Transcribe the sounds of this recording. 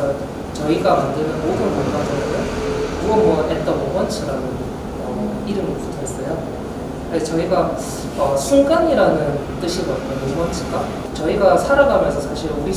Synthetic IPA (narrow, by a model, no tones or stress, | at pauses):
ʌ | t͡ɕʌiɡamandɯnɯnmodɯnmonmad͡ʑʌnɯekɯʌmwʌet͈ʌnomʌnt͡ɕʰiɾanɯn | ʌ | iɾɯmʌputʰoɦes͈ʌjo | et͡ɕʌiɡa | ʌsʰuŋɡaɲiɾanɯn | t͈ɯɕʰiɡot̚t͈ʌnomʌnt͡ɕʰiɡa | t͡ɕʌiɡasʰaɾaɡamjʌnsʰʌsʰaɕʰiɾoɾi